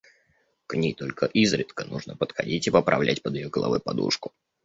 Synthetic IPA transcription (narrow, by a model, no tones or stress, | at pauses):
knʲijt̪olʲkəʔizɾʲɪt̪kənuʐnəpət̪xɐdʲitʲipəpɾʔɐvlʲʔætʲpəd̪ɪjoɡəlˠɐ̰vɨ̰pɐd̪ṵʂkʊ